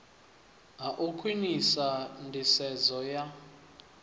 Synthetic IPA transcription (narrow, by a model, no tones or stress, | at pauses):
ɦaʔukʰwinisandʱisɛzɔja